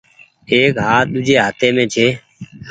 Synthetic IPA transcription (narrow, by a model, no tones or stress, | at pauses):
eːkɦaːɗ̪ʊd͡ʒʱeːɦat̪eːmẽːt͡ʃʰeː